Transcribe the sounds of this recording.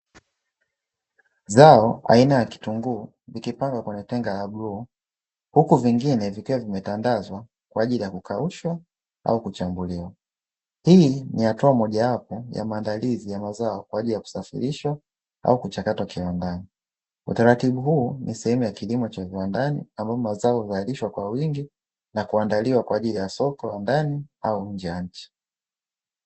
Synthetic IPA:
zaɔʔa̰inajaki̥tuŋɡuː | vikipaŋɡwakwɛɲɛtɛŋɡalaɓɾuː | hukuviŋɡinɛvikiwavimɛtandazwa | kwaːʄilijakukʰauʃwa | a̰ukut͡ʃambuliwa | hinihatuamɔʄawapɔja̰maːndalizijamazaɔkwaːʄilijaku̥safḭɾiʃwa | a̰ukut͡ʃakatwakiwandani | ṵtaɾatiɓuhuːnisɛhɛmujakilimɔt͡ʃaviwandanḭambaɔmazaɔhuzaliʃwakwawiŋɡi | nakuandaliwakwaːʄilijasɔkɔlandaniauɲ̩d͡ʒɛjaɲ̩t͡ʃi̥

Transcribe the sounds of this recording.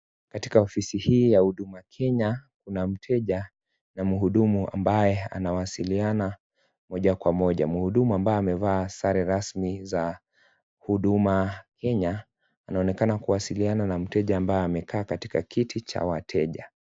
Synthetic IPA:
kati̥kaɔfisihiːjahuɗumakʰɛɲak̚unam̩tʰɛʄa | namuɦuɗumuʔa̰mbajɛa̰nawasiliana | mɔʄakwamɔʄa̰muhuɗumuambaɛamɛvaːsaɾɛɾasmiza | huɗumakʰɛɲa | anaɔnɛkanakuwasiliananam̩tɛʄaːmbajɛamɛkʰaːkati̥kakitit͡ʃa̰watʰɛʄa

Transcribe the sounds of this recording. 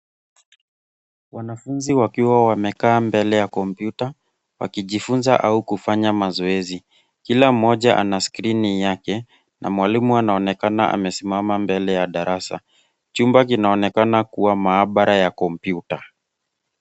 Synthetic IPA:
wanafunziwakiwawamɛkaːmbɛlɛjakɔmpjuta | wa̰kiʄifunzaʔaukufaɲamazɔɛzi | kilam̩ːɔʄaʔa̰naskɾinijakɛ | nʔa̰mwalimuanaɔnɛkanaʔa̰mɛsimamambɛlɛjaɗaɾasa̰ | t͡ʃumbak̬inaɔnɛkanakuwamaːɓaɾʔajakɔmpjuta

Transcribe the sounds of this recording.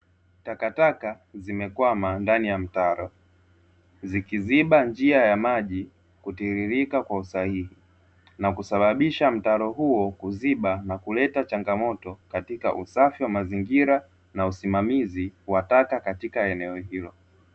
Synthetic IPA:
takataka | zimɛkwamandanijam̩taɾɔ | zikiziɓand͡ʒiajamaʄi | kutiɾiɾikakwausahihi | nakusaɓaɓiʃam̩taɾɔɦuɔkuziɓanakulɛtat͡ʃaŋɡamɔtɔkatikaʔusafiwamaziŋɡiɾa | nausimamiziwatakakatikaɛnɛɔhilɔ

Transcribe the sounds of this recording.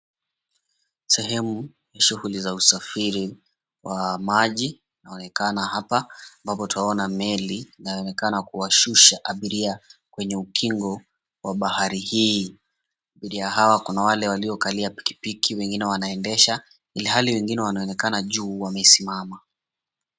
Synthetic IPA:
sɛɦɛmu | jaʃuhulizausafiɾi | wamaʄi | naɔnɛkanahapaːmbapɔtuaɔnamɛlinajɔnɛkanakuwaʃuʃaʔaɓiɾiakwɛɲɛukʰiŋɡɔ | waɓahaɾihiː | aɓiɾiaɦawakunawalɛwaliɔkaliapi̥ki̥pikʰiwɛŋɡinɛwanaɛndɛʃa | iliɦaliwɛŋɡinɛwanaɔnɛkanaʄuːwamɛisimama

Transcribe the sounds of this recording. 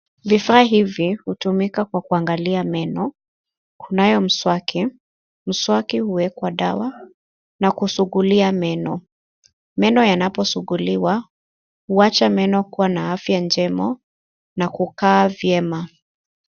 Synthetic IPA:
vifaːɦivihutumikakwakuaŋɡaliamɛnɔ | kunajɔm̩swakʰi | m̩swakihuwɛkwaɗawa | nakusuɠuliamɛnɔ | mɛnɔjanapɔsuɠuliwa | huat͡ʃamɛnɔkuwanaafjand͡ʒɛmɔ | nakukaːvjɛma

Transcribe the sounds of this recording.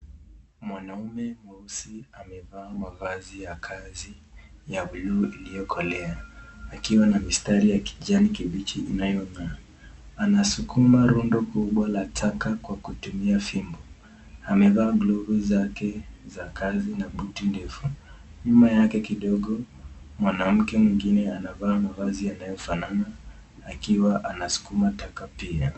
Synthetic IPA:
mwanaumɛmuusiamɛvaːmaɣazijakʰazijauluilijɔkʰɔlɛaakiwanamistaɾijaki̥ʄanikiɓit͡ʃiːnajɔna | anasukʰumaɾundɔkuɓwalatʰakakwakutumiafimbɔ | amɛvaːɡlɔvuzakɛzakazinaɓutindɛfuɲumajakɛkiɗɔɠɔ | mwanam̩kɛmwiŋɡinɛanavaːmavazijanajɔfananaː | kiwaʔanasu̥kumatakapia

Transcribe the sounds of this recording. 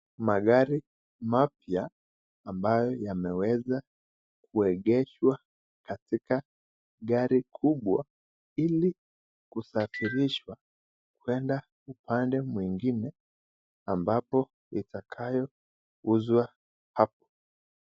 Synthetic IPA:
maɠaɾi | mapjaː | mbajɔjamɛwɛza | kʰuɛɠɛʃwa | katika | ɠaɾikʰuɓwa | ili | kusafiɾiʃwa | kwɛnda | upandɛmwiŋɡinɛ | ambapɔ | itakʰajɔ | uzwa | hap̚ɔ̥

